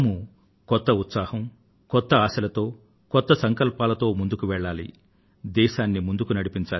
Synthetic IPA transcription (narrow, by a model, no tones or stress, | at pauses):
mu | kɔt̪ːɐut̪saːhɐm | kɔt̪ːɐaːsɐlɐt̪o̞ː | kɔt̪ːɐsɐŋkɐlpaːlɐt̪o̞ːmund̪ukuʋɛɭːaːlḭ | d̪ɛːʃaːnːimund̪ukunɐɽipiɲt͡ʃaː